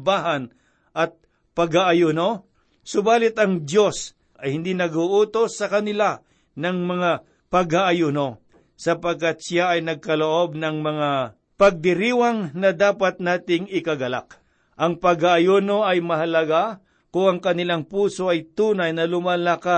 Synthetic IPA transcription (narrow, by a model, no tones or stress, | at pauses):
baɦɐn | ʔɐt̪̚ | pɐɡhaʔajuːno | sʊbaːlɪt̪ɐŋd̪jos | ʔɐjhɪnd̪inɐɡʊʔuːt̪osːɐkɐnɪla | nɐŋmɐŋa | pɐɡhaʔajuːno̞ | sɐpɐɡ̚kat̪̚sjaʔɐjnɐɡ̚kɐloʔo̞b̚nɐŋmɐŋa | pɐɡ̚d̪ɪɾiːwaŋnɐd̪aːpat̪̚naːt̪ɪŋɪkɐɡɐla̰k̚ | ʔɐŋpɐɡhaʔːjuːnoɐjmɐɦɐlɐɡa | kʊŋɐŋkɐnɪlaŋpuːso̞ʔɐjt̪uːnɐjnɐlʊmalaka